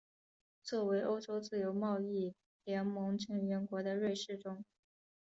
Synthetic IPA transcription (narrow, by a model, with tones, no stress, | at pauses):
t͡swɔ˥˩we˧˥ɪʔo˥ʊʈ͡ʂo˥ʊt͡sɹ̩˥˩jo˧˥ʊmɑ˥˧ʊi˥˩ | ljɛ˧˥nmɤ˧˥ŋʈ͡ʂi˧˥ŋɥɛ˧˥nkwɔ˧˥d̪ə˧ɻwe˥˧ɪʂɻ̩˥˩ʈ͡ʂʊ˥ŋ